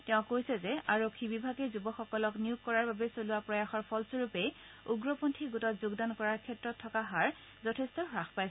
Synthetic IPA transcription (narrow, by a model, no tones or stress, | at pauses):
tɛʊ̃kojsɛzɛaɹokʰːibibʱaɡɛzubɔxɔkɔlɔknijuk̚kːɔɹaɹbabɛsoluwapɹɔjaxɔɹpʰɔlsoɹupɛj | uɡɹɔpontʰiɡutɔtzuɡdankɔɹaɹkʰɛtɹɔtʰːɔkaɦaɹ | zɔtʰɛstɔxɹaxpajs